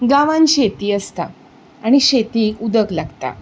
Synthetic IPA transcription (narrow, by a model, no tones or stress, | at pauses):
ɡaʋãnɕet̪iːəst̪a | aɽ̃iɕet̪iːkud̪əklaɡt̪a̰